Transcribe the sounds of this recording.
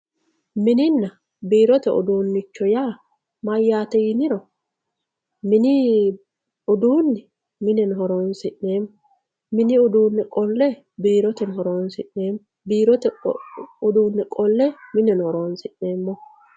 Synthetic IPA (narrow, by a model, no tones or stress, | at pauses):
mɪnɪnːɐ | biːɾɔt̪ɛɔ̰d̪uːnːɪt͡ʃːɔjaː | mɐjːaːt̪ɛjɪnɪɾɔ | mɪnɪ | ʊd̪uːnːɛ | mɪnɛnɦɔɾoːnsɪʔːeːmːɔ | mɪnɪʊd̪uːnːɛkʼɔlːɛ | biːɾɔt̪ɛnɦɔɾoːnsɪʔne̞ːm | biːɾɔt̪ɛ | ʊd̪uːnːɛkʼɔlːɛmɪnɛnhɔɾoːnsɪʔːe̞ːmːɔ